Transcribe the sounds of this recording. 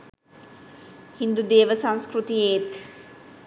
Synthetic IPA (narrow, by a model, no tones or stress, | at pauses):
hind̪ud̪eːʋəsãnskɾut̪ijeːt̪